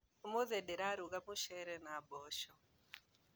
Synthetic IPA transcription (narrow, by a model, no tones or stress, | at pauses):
moðɛdeɾaɾuɡamʊʃɛɾɛnabɔʃɔ